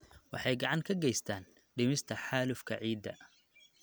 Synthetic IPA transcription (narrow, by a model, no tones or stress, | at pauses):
wɑ̰ħɑjɡɑʕɑŋkʰɐɡɛjst̪ʰaːn | ɖɪmɪst̪ʰɐħaːlʊfkʰɐ̰ʕiːd̪ːɐ